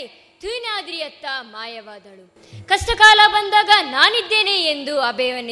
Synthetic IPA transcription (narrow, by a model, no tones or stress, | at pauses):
t̪ʰiːnaːd̪ɾijɐt̪ːamaːjɐʋaːd̪ɐɭu | kɐsʈɐkaːlabɐnd̪aːɡɐnaːnid̪ːe̞ːneend̪uɐbʱɛːʋɐn